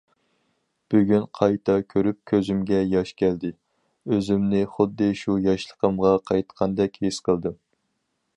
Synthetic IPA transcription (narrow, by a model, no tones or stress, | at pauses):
b̥yɡʲynqʰɑjt̪ʰɑkʲʰøɾyp̚kʲʰøzymɡʲɛjɑʃkʲʰæld̪ɪ | øzymnɪχʊd̪ːɨʃujɑʃlˠəqəmʁɑqʰɑjt̪qʰɑnd̪ɛkʲhesqʰəlˠd̪ɨm